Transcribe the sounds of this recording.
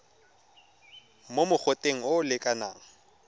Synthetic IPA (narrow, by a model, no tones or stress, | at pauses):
momʊk͡xʰotʼeŋ̩ʊʊlɪkʼana̰ːŋ̩